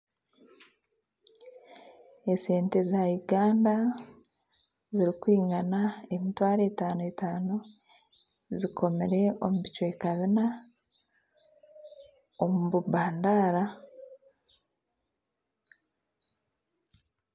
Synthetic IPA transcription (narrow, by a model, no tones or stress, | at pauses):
e̞se̞ːnte̞zajuɡaːnda | ziɾikwiːŋɡanae̞mitwaːɾe̞ːtaːnuetaːno | zikʰo̞meɾe̞o̞muβicwe̞kaβina | omuβubaːndaɾa